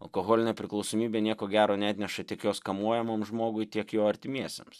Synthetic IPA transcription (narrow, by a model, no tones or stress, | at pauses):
ɐ̰lˠkoːɣɔːlʲɪnʲɛːpʲɾʲɪklˠɒʊsoːmʲiːbʲeːnʲiɛkoːɡʲæːɾoːnʲɛːt̪ʲnʲɛʃɐt̪ʲiɛkjoːskɐmuɔjɛmoːmʒmoːɡʊɪt̪ʲiɛkjoːɐɾʲt̪ʲɪmʲiɛsʲḛms